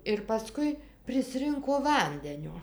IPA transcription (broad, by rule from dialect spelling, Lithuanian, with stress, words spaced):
ɪr pɐˈskʊɪ pʲrʲɪˈsʲrʲɪŋkoː ˈʋɐnʲdʲɛnʲoː